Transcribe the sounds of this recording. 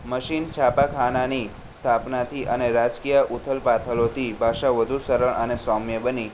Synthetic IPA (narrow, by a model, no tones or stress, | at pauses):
məʃint͡ʃʰapakʰanani | st̪ʰapnat̪ʰiʔəneɾad͡ʒkijəʔut̪ʰəlpat̪ʰəlot̪ʰibʱaʃaʋəd̪ʱusəɾəɳənesɔmjəbəni